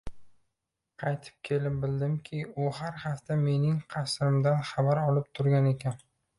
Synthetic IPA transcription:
qʰɑjt̪ʰɪ̥p̚kʲʰe̞lɪp̚bɪld̪ɪmkʲʰɪʊhaɾhaft̪ʰame̞nɪŋqʰɑsɾɪmd̪anχabaɾɒlˠɪp̚t̪ʰʊɾɡʲane̞kʲan

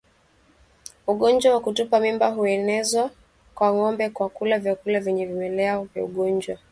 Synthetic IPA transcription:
uɠɔnd͡ʒwawakutupamimbaɦuɛnɛzwa | kwaŋɔmbɛkwakulavjakulavɛɲɛvimɛlɛɔvja̰uɠɔɲd͡ʒwa

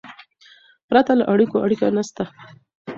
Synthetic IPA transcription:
pɾat̪alaʔaɽikoʔaɽikanast̪a

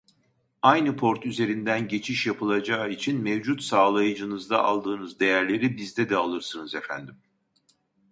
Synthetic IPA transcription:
ajnɯpʰo̞ɾt̪yze̞ɾind̪ænɟe̞t͡ʃʰiʃjapʰɯlˠad͡ʒaːit͡ʃʰinmevd͡ʒut̪saːlˠajɯd͡ʒɯnɯzd̪aʔalˠd̪ɯːnɯzd̪e̞jæɾlʲe̞ɾibizd̪ɛd̪ɛalˠɯɾsɯnɯzefæ̰nd̪im

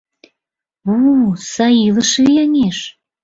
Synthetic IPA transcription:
osɑjiləʃejɑŋeʃ

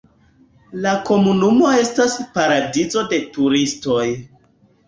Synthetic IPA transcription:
lako̞munumo̞e̞staspaɾadizo̞de̞tuɾisto̞j

